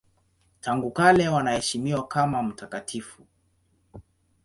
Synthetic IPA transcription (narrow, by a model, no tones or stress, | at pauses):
tʰaŋɡukalɛwanahɛʃimiwakamam̩takatʰifu